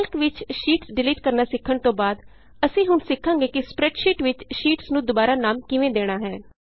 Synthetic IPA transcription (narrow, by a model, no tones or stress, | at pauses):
lkʋɪt͡ʃʃiːʈsɖɪliːʈkəɾnaːsɪkʰːəɳt̪õːbaːd̪ | əsĩːɦʊnsɪkʰːãːŋɡeːkɪspɾɛːʈʃiːʈʋɪt͡ʃʃiːʈsnũːd̪ʊbaːɾaːnaːmkɪʋẽːd̪eːɽ̃aːɦɛː